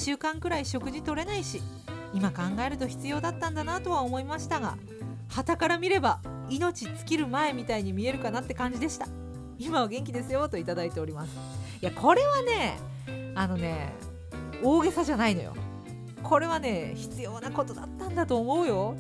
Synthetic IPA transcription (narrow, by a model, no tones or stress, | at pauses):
ɕɨːkãŋkɯ̟ɾaiɕo̞kɯ̟ʑit̪o̞ɾe̞naiɕi | imakãŋɡae̞ɾɯ̟t̪o̞çi̥t͡sɨjo̞ːd̪at̪ːãnd̪anat̪o̞β̞aomo̞imaɕi̥t̪aɡa̰ | hat̪akaɾamʲiɾe̞ba | ino̞t͡ɕit͡sɨ̥kʲiɾɯ̟mae̞mʲit̪aiɲ̟imʲie̞ɾɯ̟kanat̪ːe̞kãɲ̟d͡ʑid̪e̞ɕi̥t̪a | imaβɡẽ̞ŋkʲid̪e̞sɨjo̞t̪o̞it̪ad̪ait̪eo̞ɾʲimasɨ̥jakʰo̞ɾe̞βane̞ | ano̞ne̞̰ | o̞ːɡe̞saʑanaino̞̰jo̰ | kʰo̞ɾe̞β̞ane̞ːçi̥t͡sɨjo̞ːnako̞t̪o̞d̪a̰t̪ːãnd̪at̪o̞ːmo̞ɯ̟jo̞